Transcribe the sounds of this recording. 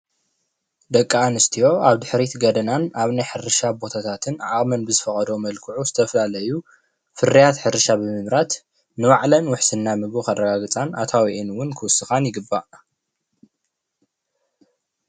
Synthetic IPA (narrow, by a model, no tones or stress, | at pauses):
d̪ɐkʼːaanɨst̪ʰijo̞aβd̪ɨħɾit̪ɡɐd̪ɐnanaβnajħɨɾɨʃabo̞t̪ʰat̪ʰat̪ʰɨnʕaχʼmɐnbɨzɨfɐχʼɐd̪omɐlkʰɨʕuzɨt̪ʰɐfɐlalɐju | fɨrijat̪ħɨɾɨʃabɨmɨmɾat̪ | nɨwaʕlɐnwʊħsɨnːamɨɡukarɐɡaɡɨt͡sʼanat̪ʰawiʔenwʊnkʰɨwʊsːɨxanjɪɡɨbːaʔ